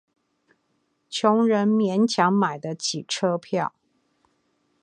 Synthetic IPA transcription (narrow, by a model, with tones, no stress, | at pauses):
t͡ɕʰjʊ˧˥ŋɻə˧˥nmjɛ˧˥nt͡ɕʰjɑ˧˥ŋma˨˩ɪd̪ə˦t͡ɕʰi˨˩ʈ͡ʂʰɤ˥pʰjɑ˥˩ʊ